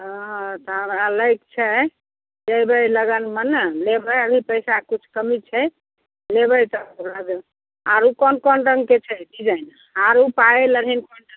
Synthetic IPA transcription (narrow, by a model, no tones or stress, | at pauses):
ɦəɦt̪ɔɦəmɾaləjk̚t͡ʃʰɛ | d͡ʒəjbəjləɡənmənəlebəjəbʱipəjsakut͡ʃʰkəmit͡ʃʰɛ | lebəjt̪əɾad̪e | aɾukɔnkɔnɾəŋɡket͡ʃʰɛɖid͡ʒajn | aɾupajləɾ̤ɦinkɔnʈə